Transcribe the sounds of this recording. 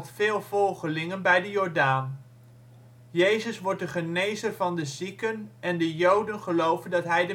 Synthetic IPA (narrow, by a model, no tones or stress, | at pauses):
tfɪːlˠvɔlˠχəlɪŋənbɛjdəjɔɹdaːn | jejzəsʋɔɹt̚dəχənejzərvɑndəzikənɛndəjowdənχəlowvəndɑtɦɛjdə